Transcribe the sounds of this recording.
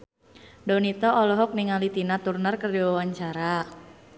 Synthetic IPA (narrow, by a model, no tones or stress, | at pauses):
dɔnit̪ɔʔɔlɔɦɔk̚niŋalit̪inat̪urnərkərdiwawaɲt͡ʃaɾa